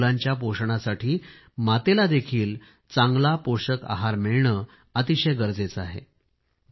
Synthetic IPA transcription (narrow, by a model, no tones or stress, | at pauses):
laɲt͡ɕjapoʂɳasaʈʰiː | mat̪elad̪ekʰiːl | t͡saŋɡlapoɕəka̰ɦaɾmeɭɳəː | ət̪iɕəjɡəɾd͡zet͡saɦḛ